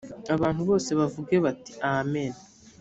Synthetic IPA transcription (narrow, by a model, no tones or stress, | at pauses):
aβaːnhuβo̞ːse̞βavuɡe̞βati̥amen